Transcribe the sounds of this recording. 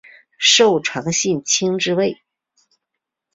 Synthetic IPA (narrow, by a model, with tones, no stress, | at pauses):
ʂo˥˩ʊʈ͡ʂʰwɑ˧˥ŋɕi˥˩nt͡ɕʰi˥ŋʈ͡ʂɻ̩˥we˥˩ɪ